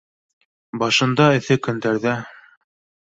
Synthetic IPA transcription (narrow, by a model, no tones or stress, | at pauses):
bɑʃɤ̆nd̪ɑɘ̆θɘkɵ̆nd̪æɾðæ